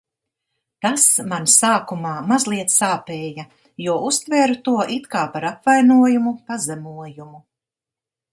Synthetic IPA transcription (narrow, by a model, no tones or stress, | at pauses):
t̪asmansaːkumaːmazlˠiɛt̪ssaːpɛːja | juɔust̪vɛːɾut̪uɔʔit̪kaːpaɾapvajnuɔjumupazɛmuɔjumu